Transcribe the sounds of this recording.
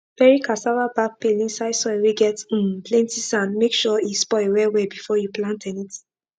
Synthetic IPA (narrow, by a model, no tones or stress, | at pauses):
pɛɹikʰasawabak̚pelĩnsaɪsɔweɡɛt̩plɛ̃ntisãnmekʃɔispɔewɛwebifɔjuplãntɛ̃nit